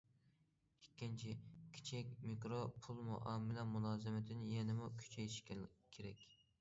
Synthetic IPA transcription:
ikʲːɪnt͡ʃʰikʲʰi̥t͡ʃʰɛkʲmikɾopʰulˠmuʔɑmːɪlɛmulˠɑːzɪmɪt̪ʰɪnɪjɛnɪmukʲʰy̥t͡ʃʰɛjʃkʲkʲʰeɾɛkʲ

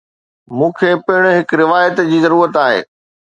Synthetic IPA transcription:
mũːkʰeːpɪɪɽ̃ɦɪkɾɪʋaːjət̪d͡ʑiːzɐɾuːɾət̪aːɦḛː

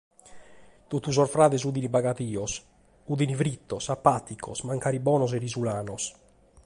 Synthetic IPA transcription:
t̪ot̪ːusɔɾfɾaːðɛs̬ud̪inibaɡat̪iːɔs | ud̪inifɾit̪ːɔsapːat̪ikʰɔsmaŋkaːɾibɔːnɔs̬ɛɾizulaːnɔs

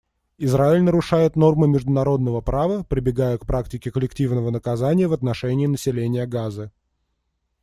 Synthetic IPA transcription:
ɪzraɪlʲnəɾʊʂajɪt̪no̞rmɨmʲɪʐd̪ʊnɐɾo̞d̪nəvəpɾavəpɾʲɪbʲɪɡajəkpɾʔaktʲɪkʲɪkəlʲɪktʲivnəvənəkɐzanʲɪjəvɐt̪nɐʂɛnʲɪːnəsʲɪlʲenʲɪjəɡazɨ

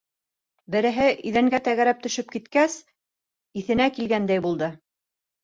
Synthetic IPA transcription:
bɘ̆ɾɘ̆ɦɘʔɵ̆ðæŋɡæt̪æɣæɾæp̚t̪ɵ̆ʃɵp̚kit̪kæs | iθɘ̆nækilɡænd̪æjbulˠd̪ɤ

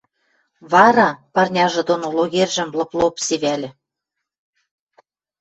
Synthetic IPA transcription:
βɑɾɑpɑrnʲɑʒɤ̆d̪onoloɣerʲʒɘ̆mlɤ̆plopseβælʲɘ̆

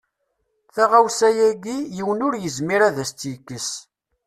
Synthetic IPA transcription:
θæʁawsæjæɡijiwənʊɾjəzmiɾæðæst͡s̪jəkːəs

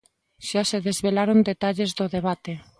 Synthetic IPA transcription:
ʃaseðezβelaɾond̪et̪aʎezðoðeβ̞at̪e

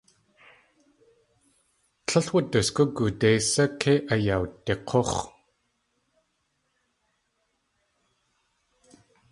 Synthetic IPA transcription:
ɬʰəɬwət̪əskukut̪ejsakʰeʔajaut̪ːeqʰoχ

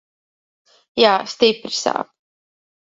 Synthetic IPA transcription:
jaːst̪ipɾisa̰ːp

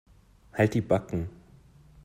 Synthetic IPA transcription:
halt̚d̥iːbakŋ̩

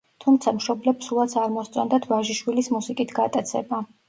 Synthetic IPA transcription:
t̪ʰumt̪sʰamʃɔblɛbʰsulˠat̪sʰaɾmɔst̪sʼɔnd̪at̪ʰvaʒiʃwilismusikʼit̪ʰɡat̪ʼat̪sʰɛ̰ba

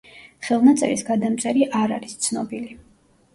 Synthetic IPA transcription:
χɛlˠnat̪sʼɛ̰visɡad̪amt̪sʼɛɾiʔaɾaɾist̪sʰnɔbili

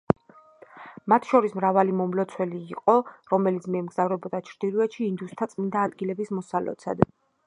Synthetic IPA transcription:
mat̪ʰʃɔɾismɾavalimɔmlɔt̪sʰwɛliːqʼɔɾɔmɛlit̪sʰmiɛmɡzavɾɛbɔd̪at͡ʃʰɾd̪̥iluɛt̪ʃiːnd̪ust̪ʰat̪sʼmind̪aːd̪ɡilɛbismɔsalɛ̰t̪sʰa̰d̪

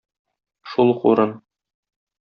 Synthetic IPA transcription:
ʃulˠqṵɾɤn

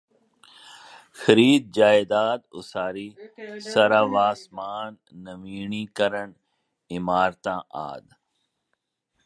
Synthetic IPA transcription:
xəɾiːd̪̚d͡ʒaːjd̪aːd̪ʊ̰saːɾiːsɐɾaːʋaːsmaːnː | əʋiːɳiːkəɾəɳ | ɪmaːɾt̪ãːʔa̰ːd̪

